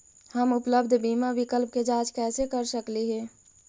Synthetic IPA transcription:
həmʊpləbd̪ʱbimabikəlp̚ked͡ʒad͡ʒkɛːsekəɾsəkliɦɛ̃

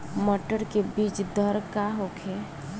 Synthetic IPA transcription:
məʈəɾkebiːt͡ʃd̪əɾkaɦokʰe

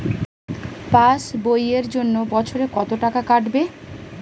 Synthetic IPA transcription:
pasbojeɾd͡ʑonːobɔt͡ɕʰoɾekɔt̪oʈakakaʈbe

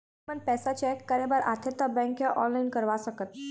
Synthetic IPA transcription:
mənpɛsat͡ɕɛkːaɾẽbaɾat̪ʰet̪abɛ̃ŋkjaʔɔnlainkəɾʋasəkət̪̚

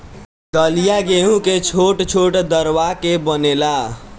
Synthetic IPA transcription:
d̪əlijaɡeɦũket͡ʃʰoʈt͡ʃʰoʈd̪əɾʋakebənela

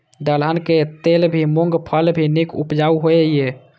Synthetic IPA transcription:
d̪ələnket̪elbʱimoŋɡpʰəlbʱinikupd͡ʒauɦoeje

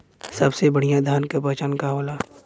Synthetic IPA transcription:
sɐbsebɐɽ̤ijãd̪ʱaːnkapɛɦt͡ʃaːnkaɦoːlaː

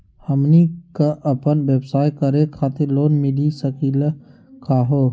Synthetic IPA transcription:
həmnikaʔɐpənʋeːbsaːjkəɾekʰaːt̪eloːnmɪlisəkiːla | kʰaːɦoː

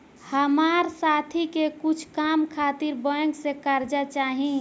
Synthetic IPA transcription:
həmaɾsat̪ʰikekut͡ʃʰkamkʰat̪iɾbəŋksekaɾd͡ʒat͡ʃaɦĩ

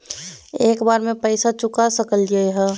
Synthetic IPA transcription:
eːkbaːɾmẽpəɪsat͡ʃʊkasəkəld͡ʒaɦɛ

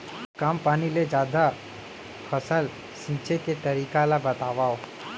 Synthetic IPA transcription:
kampaniled͡ʒad̪ʱa | pʰəsəl | ʃɪ̃nt͡ʃeket̪əɾikalabət̪aʋao

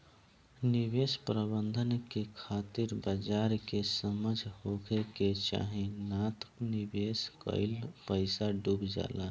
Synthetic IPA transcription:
nibespɾəbənd̪ʱənkekʰat̪iɾbəd͡ʒaɾkesəməd͡ʒʱɦokeket͡ʃa̰ɦinat̪knibeskə̰ɪlpəɪsaɖubd͡ʒa̰la

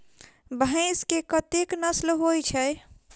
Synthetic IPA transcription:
bʱə̃ɪskekət̪eknəslɦojt͡ʃʰəj

